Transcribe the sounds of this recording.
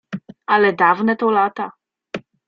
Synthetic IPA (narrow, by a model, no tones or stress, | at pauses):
alɛd̪avnɛt̪ɔlat̪a